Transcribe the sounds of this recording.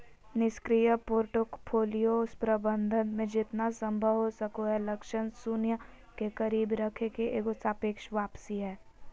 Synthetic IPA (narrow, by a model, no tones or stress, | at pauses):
nɪskɾijəpoːɾʈokpʰoːlijospɾəbə̃nd̪ʱənmẽd͡ʒɪt̪nasɐ̃mbʱəʋɦosɐkoɦɛlɐkʃənsunjə | kekɐɾiːbɾɐkʰekeʔeːkʊsʰaːpeːkʃʋaːpsiɦɛː